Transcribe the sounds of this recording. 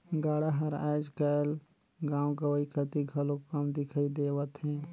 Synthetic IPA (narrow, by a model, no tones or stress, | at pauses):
ɡaːɽaɦɐɾaːd͡ʒkal | ɡãːwɡəʋəikʰət̪iɡʱɐlokɐmd̪ɪkʰaːid̪eːʋət̪ɦɛ̃ː